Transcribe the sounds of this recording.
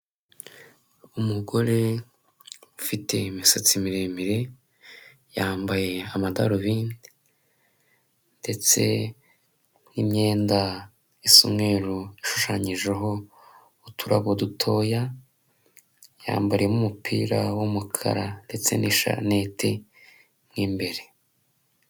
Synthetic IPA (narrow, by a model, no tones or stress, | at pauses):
umuɡo̞ɾe | ufite̞misot͡simiɾemiɾe̞ | jaːmbaje̞amadaɾoβiːndi | nde̞t͡se̞̰ | nimɲe̞ːnda | isṵmŋe̞ːɾuiʃu̥ʃaɲiʒeɦo̞ | utʰuɾa̰ɡodutʰo̞ja | ja̰ːmbaɾijemumupʰḭːɾawomukʰa̰ɾande̞t͡se̞̰niʃa̰netʰe | mŋiːmbe̞ɾe̞